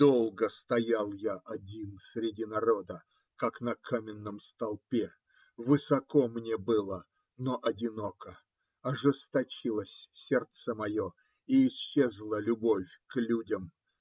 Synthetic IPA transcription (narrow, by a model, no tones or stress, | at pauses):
d̪olˠɡəst̪ɐjalˠjaʔɐdʲinsɾʲɪdʲinɐɾo̞d̪ə | kaknɐkʰamʲɪnːəmst̪ɐlˠpʲe | vɨsɐko̞mnʲebɨlˠə | noʔɐdʲɪno̞kə | ɐʐɨst̪ɐt͡ɕilˠəsʲsʲe̞rt̪səmɐjo̞ | iɪɕːezlˠəlʲʊbo̞fʲklʲudʲəm